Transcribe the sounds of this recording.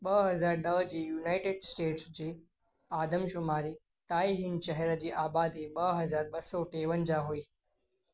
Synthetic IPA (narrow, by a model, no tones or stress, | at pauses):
ɓəɦɐzaːɾnəʋd͡ʑiːjuːnaːɪʈeɖsʈeːʈsd͡ʑiː | aːd̪əmʃʊmaːɾi | t̪aːiɦɪɳɕəɦɛɾəd͡ʑiːʔaːbaːd̪iɓəɦɐzaːɾɓɐsɔʈeːʋənd͡ʑaɦoiː